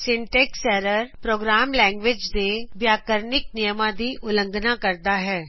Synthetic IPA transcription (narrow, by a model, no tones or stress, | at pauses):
sɪ̃ɳʈɛːksɛːɾəɾpɾoːɡɾaːmlɛ̃ːŋɡʋɪd͡ʒd̪eʋjaːkəɾnɪk̚nɪjəmãd̪iʔʊlə̃ŋɡʱnãkɐɾd̪aɦɛː